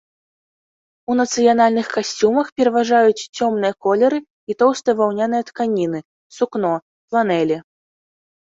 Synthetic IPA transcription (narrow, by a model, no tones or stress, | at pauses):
unɐt̪sɨjanalʲnɨxkasʲt͡sʲumɐxpʲɛɾɐvaʐajut͡sʲt͡sʲɔmnɨjɐkɔlʲɛɾɨ | it̪ɔwst̪ɨjvawnʲanɨjɐt̪kanʲinɨ | suknɔ | plˠanɛlʲɛ